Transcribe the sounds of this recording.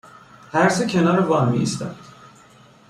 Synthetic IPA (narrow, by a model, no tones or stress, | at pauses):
hæɾsecʰenɒːɾevɒːnmḭḭst̪æ̰nd̪̥